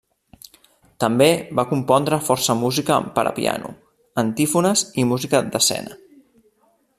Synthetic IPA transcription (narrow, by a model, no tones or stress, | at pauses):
t̪əmbeβakumpɔnd̪ɾəfɔɾsəmuzikəpəɾʔə̰pḭa̰nṵ | ənt̪ifunəzimuzikəd̪əsɛ̰nə